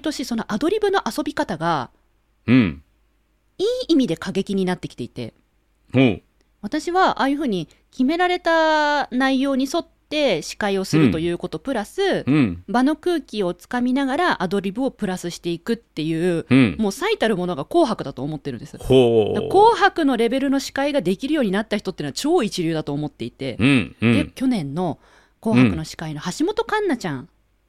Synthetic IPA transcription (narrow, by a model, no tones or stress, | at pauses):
t̪o̞ɕiso̞no̞ʔad̪o̞ɾʲibɯ̟no̞ʔaso̞bʲikat̪aɡa | iːimʲid̪e̞kaɡe̞kʲiɲ̟inat̪ːe̞kʲi̥t̪e̞it̪e̞̰ | ho | β̞at̪aɕiβaʔa̰ːjɯ̟ɸɯ̟ːɲ̟i | kʲime̞ɾaɾe̞t̪anaijo̞ːɲ̟iso̞t̪ːe̞ɕi̥kaio̞sɨɾɯ̟t̪o̞jɯ̟ːko̞t̪o̞pɯ̟ɾasɨbano̞kɯ̟ːkʲio̞t͡sɨ̥kamʲinaɡaɾaʔad̪o̞ɾʲibɯ̟o̞pɯ̟ɾasɨɕi̥t̪e̞ikɯ̟t̪ːe̞jɯ̟ːmo̞ːsait̪aɾɯ̟mo̞no̞ɡako̞ːɦakɯ̟d̪at̪o̞ːmo̞t̪ːe̞ɾɯ̟nd̪esɨ̥oko̞ːɦakɯ̟no̞ɾe̞be̞ɾɯ̟no̞ɕi̥kaiɡad̪e̞kʲiɾɯjo̞ːɲ̟inat̪ːaçi̥t̪o̞t̪ːenoat͡ɕo̞ːit͡ɕiɾʲɨ̟ːd̪at̪o̞ːmo̞t̪ːe̞it̪e̞̰d̪ekʲo̞nẽ̞nːo̞ | ko̞ːhakɯ̟no̞ɕi̥kaino̞haɕimo̞t̪o̞kãnːat͡ɕãɴ